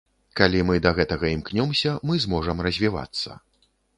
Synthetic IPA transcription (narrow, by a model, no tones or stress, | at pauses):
kalʲimɨd̪ɐɣɛt̪ɐɣɐimknʲɔmsʲɐmɨzmɔʐɐmrɐzʲvʲiva̰t̪sːɐ̰